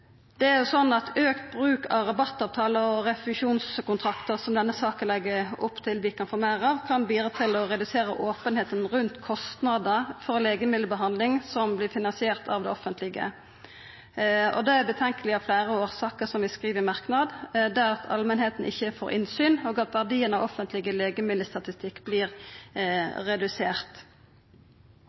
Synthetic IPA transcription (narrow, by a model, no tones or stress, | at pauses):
d̪̥ɛæʁjʊsɔnːɑt̪ʰøːkt̪bʁʉːkʰɑ̰ʋɾɑbɑt̪ːɑːʋt̪ʰɑːləɔɾɛflʉʂuːnskʊnt̪ʰɾɑkt̪əʁsɔmd̪ɛnːəsɑːkəlɛɡːəʊpːt̪ʰɪlʋɪkʰɑnfoːmæːɾɑʋkʰɑnbiːd̪ʁət̪ʰɪlɔɾɛd̪ʉseːɾəʔoːpənheːt̪ənʁʉnt̪kʰɔst̪nɑːd̪əfɔɾleːɡəmɪləbəɦɑnd̪lɪŋsɔmblɪːfɪnɑnsɪeːʁt̪ʰɑ̰ʋd̪ɛɔfənt̪lɪɡə̰ | ɔ̰d̪ɛæɾbət̪ʰɛŋkəlɪɑflæːɾəoːʁsɑːkəʁsɔmʋɪskʁiːʋəmɑʁknɑd̪d̪æʁɑt̪ʰɑ̰lmənheːt̪n̩ʔɪ̰çːəfoːɾʔɪ̰nsyːnoːɡɑt̪ʋæʁd̪iːənɑʋɔfənt̪ʰlɪɡəleːɡəmɪd̪əst̪ɑt̪ɪst̪ɪkːbliːɾ | ʁɛd̪ʉseːʁt̪